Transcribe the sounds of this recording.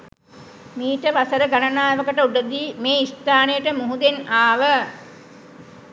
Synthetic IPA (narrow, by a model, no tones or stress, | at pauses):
miːʈəʋasəɾəɡanənaːeʋəkəʈəuɖəd̪iːmeːist̪aːnəjəʈəmuɦud̪enaːʋə